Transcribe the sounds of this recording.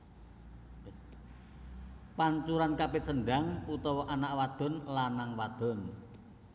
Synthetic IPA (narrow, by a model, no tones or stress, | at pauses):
paɲt͡ʃuɾankapɪt̪̚səɳɖaŋut̪ɔwɔʔanaʔwad̪̥ɔ̤nlanaŋwad̪̥ɔ̤n